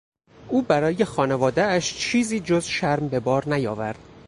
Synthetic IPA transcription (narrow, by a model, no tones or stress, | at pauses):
ʔuːbæɾɒːjexɒːnevɒːd̪eæʃt͡ʃʰiːziːd͡ʒozʃæɾmbe̞bɒːɾnæjɒːvæɾd̪̥